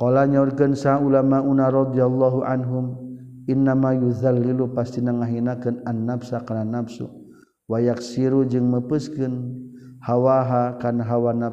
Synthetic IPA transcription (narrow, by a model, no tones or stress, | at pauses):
qɔlaɲaurkɨnsaulamaʔunaɾɑd̪ialːɔɦuʔa̰nɦum | ʔinːamajuðalːilupast̪inaŋaɦinakɨnanːafsakarnanapsṵ | wajaksiɾud͡ʒɨŋməpɨskɨnhawaɦakanaɦawana